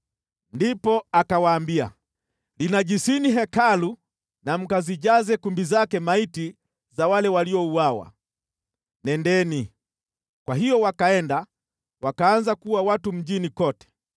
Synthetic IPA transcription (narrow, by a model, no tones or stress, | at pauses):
ndipɔakawaːmbia̰ | linaʄisiniɦɛkalu | nam̩kaziʄazɛkumbizakɛmaiti | zawalɛwaliɔuwawa̰ | nɛndɛni | kwaɦijɔwakaɛnda | wakaːnzakuwawatum̩ʄinikɔtɛ̥